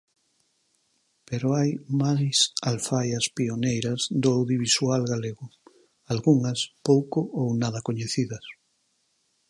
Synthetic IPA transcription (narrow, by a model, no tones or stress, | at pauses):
peɾoajmajsalfajɐspionejɾɐzðʊawðjiβ̞isualɣaleɣʊ | alɣuŋɐspowkʊʔownaðɐkoɲeθiðɐs